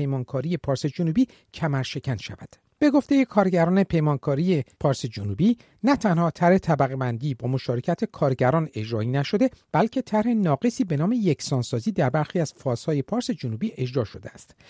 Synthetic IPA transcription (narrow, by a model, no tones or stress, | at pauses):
ejmɒːnkʰɒːɾije̞pʰɒːɾse̞d͡ʒonuːbiː | cʰæmæɾʃe̞cʰænʃæ̰væ̰d̪̥ | b̥e̞ɡo̞ft̪e̞je̞kʰɒːɾɟæɾɒːne̞pʰe̞jmɒːnkʰɒːɾijepʰɒːɾse̞d͡ʒonubiː | næt̪ʰænhɒːt̪ʰæɾhe̞t̪ʰæbæɣe̞bænd̪iːbɒːmoʃɒːɾe̞cʰæt̪ʰekʰɒːɾɟæɾɒːne̞d͡ʒɾɒːinæʃo̞d̪e̞b̥ælcʰe̞t̪ʰæɾhenɒːɡe̞siːbe̞nɒːme̞jecʰsɒːnsɒːziːd̪æɾbæɾxiːæz̥fɒːz̥hɒːje̞pʰɒːɾse̞d͡ʒonuːbiːʔe̞d͡ʒɾɒːʃo̞d̪eæst̪